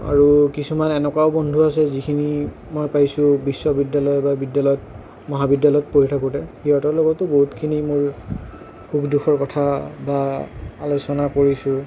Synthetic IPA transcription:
a̰ɹukisumanɛnɛkwaʊbɔndʱuasɛzikʰini | mɔjpajsʊ̃bisːɔbidːalɔjɔbabidːalɔjɔt̚ | mɔɦabidːalɔjɔtpoɦitʰakutɛxiɔtɔlɔɡɔtːʊboɦutkʰinimʊɹ | xukduxʰɔɹkɔtʰabaalosɔnakoɹisʊ

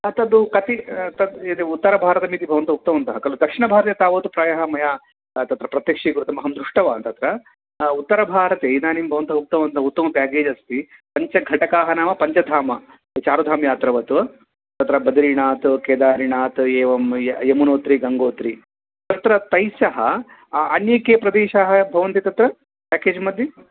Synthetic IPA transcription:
ɐt̪ɐd̪ukɐt̪it̪ɐd̪eːeut̪ːɐɾɐbʱaːɾɐt̪ɐmiːt̪ibʱɐʋɐnt̪ɐɦuk̚t̪ɐʋɐnt̪ɐɦɐkɐlud̪ɐkʂiɳɐbʱaːɾɐt̪eːt̪aːʋoːt̪upɾaːjɐɦɐmɐjaː | t̪ɐt̪ɾɐpɾɐt̪jɐkʂiɡuɾut̪ɐmɐɦɐmd̪ɾuʂʈɐʋant̪ɐt̪ɾɐ | ut̪ːɐɾɐbʱaːɾɐt̪eːnaːnimbʱɐʋɐnt̪ɐɦuk̚t̪ɐʋɐʋɐnt̪ɐɦɐut̪ːɐmɐbjaːɡeːd͡ʒɐst̪ipɐɲt͡ʃɐɡʱɐʈɐkaːɦɐnaːmɐpɐɲt͡ʃɐd̪ʱaːmɐ | t͡ʃaːɾud̪ʱaːmjaːt̪ɾɐʋɐt̪uɐ | t̪ɐt̪ɾɐbɐd̪ɐɾiɳaːt̪keːd̪aːɾinaːt̪eːʋɐmemunoːt̪ɾiɡɐŋɡoːt̪ɾi | t̪ɐt̪ɾɐt̪ɐjsɐɦɐ | ɐnjɐkeːpɾɐd̪eːʃɐɦɐbʱɐʋɐnt̪it̪ɐt̪ɾɐ | pʲaːkeːd͡ʒmɐd̪ʱjɐ

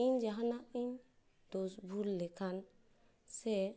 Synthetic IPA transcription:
ind͡ʒaɦanaiɲ | d̪̥osbʱulːɛkan | sɛ

